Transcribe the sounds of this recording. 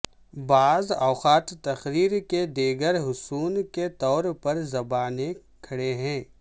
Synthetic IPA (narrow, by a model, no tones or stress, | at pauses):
baːzɔːxaːt̪ːɐxɾiːɾked̪eːɡəɾɦʊsuːnket̪ɔːɾpɐɾzɐbaːne | kʰɐɽeɦɛ̃ː